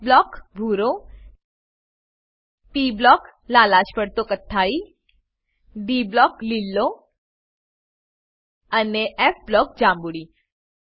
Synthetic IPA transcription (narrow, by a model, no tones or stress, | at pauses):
blɔkbʱuɾo | piblɔklalaɕpəɽt̪okət̪ʰːai | ɖiblɔklilːo | əneʔɛfblɔk̚d͡ʑãmbuɽi